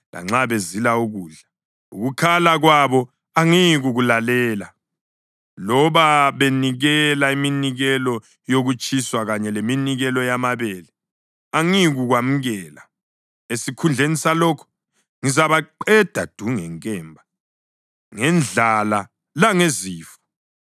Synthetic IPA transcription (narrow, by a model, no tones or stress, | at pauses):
la̰ŋ͡ǁaβezilauɣuːɮa | uɣukʰalaɣwaβɔ | aŋiɣuɣulalɛːla | lɔβaβeniɣɛlaiminiɣɛlɔ | joɣut͡ʃʼʰiswaɣaɲɛleminiɣɛlɔjamaβɛlɛ | aŋiɣuɣwam̩ɣɛːla | esikʰund͡ɮʱenisalɔːkʰɔ̥ | ŋizaβaǃɛd̥ʱad̥ʱuŋɛŋkʼɛːmbʱa | ŋɛnd͡ɮʱala | laŋeziːfɔ̥